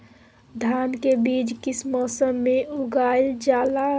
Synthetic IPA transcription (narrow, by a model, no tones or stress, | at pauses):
d̪ʱaːnkebiːd͡ʒkɪsmɔːsəmːeuɡaːld͡ʒaːla